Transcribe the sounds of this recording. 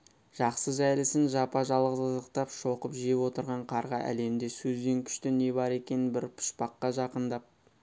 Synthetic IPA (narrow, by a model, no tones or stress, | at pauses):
ʒ̥ɑqsəʒæjlɪsɪnʒɑpɑʒɑlˠʁəzəzəq̚t̪ɑpʃo̞qəpʒijepwo̞t̪əɾʁɑɴqʰɑɾʁɑʔæ̰le̞md̪e̞sɵzd̪e̞ŋkʲʰʏ̥ʃt̪ɪne̞bɑɾe̞kʲe̞nɪnbɪɾpʰʊ̥ʃpɑqːɑʒɑqənd̪ɑp̚